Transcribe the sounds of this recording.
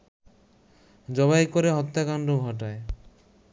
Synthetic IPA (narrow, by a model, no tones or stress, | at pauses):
d͡ʒɔβajkɔɾeɦɔt̪jakanɖobʱɔʈ̬ae